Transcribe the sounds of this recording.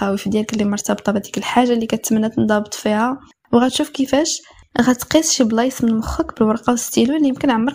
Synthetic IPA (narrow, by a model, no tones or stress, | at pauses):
æwifid̪jælkəlːimɑɾˤt̪ɑbt̪ˤɑbæd̪i̥kəlħaʒːalikæt̪mənːæt̪nd̪ˤɑbt̪ˤfihæ | wɣæt̪ʃufkəfæʃ | ɣæt̪qisˤʃiblɑjsmənmʊxəkbəlwɑɾˤqɑwəst̪ilulːijəmkənʕamːəɾ